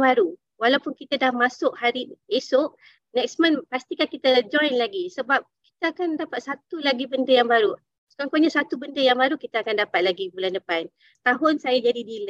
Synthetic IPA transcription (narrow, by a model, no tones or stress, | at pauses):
baɾu | walawpʊnkit̪adahmasʊʔ̚haɾiesʊʔ | nɛk̚smə̃npast̪ikakit̪əd͡ʒɔ̃jnlaɡisəbap̚ki̥t̪əakandapat̪̚sat̪ulaɡibəndəjaŋbaɾu | skaŋkoɲasat̪ubəndəjaŋbaɾukit̪əakandapat̪̚laɡibulandəpan | t̪aɦʊnsajad͡ʒadidilə